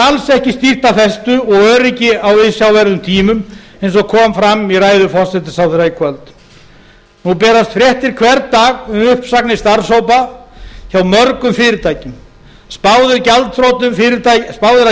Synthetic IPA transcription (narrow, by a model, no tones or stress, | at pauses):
alsɛhcɪst̪ir̥t̪afɛst̪ʏɔɣœːɾɪcɪawvɪsjawvɛɾðʏmt̪ʰiːmʏm | ejnsɔɣkʰɔːmfɾamiraːjðʏfɔr̥sɛt̪ɪsawθɛɾaɪkʰvœlt̪ | nupɛːɾast̪fɾjɛht̪ɪɾ̥kʰvɛɾt̪ːaːɣʏmʏhpsaknɪst̪aɾsowpaçawmœɾkʏmfɪɾɪɾt̪ʰaːjcɪm | spaːwðɪɾcalt̪θɾowt̪nʏmfɪɾɪt̪aspaːwðʏɾa